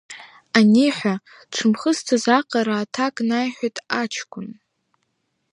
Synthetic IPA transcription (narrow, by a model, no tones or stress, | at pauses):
aniħʷa | ʈ͡ʂʷʰɨmχəstʰazaqʼaɾaːtʰakʼnajħʷᶣajtʼat͡ʃʰkʷʰʼʊn